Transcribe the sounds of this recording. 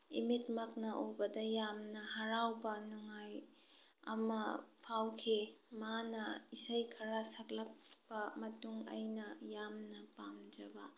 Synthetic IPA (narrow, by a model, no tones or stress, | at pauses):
imitmɐknɐʔobɐdɐjamnɐɦɐɾawbɐnuŋaj | ɐ̰mɐ̰pʰawkʰimanɐisɐjkʰɐɾasɐk̚lɐk̚bɐmɐtuŋɐ̰jnɐjamnɐpamd͡ʒɐbɐ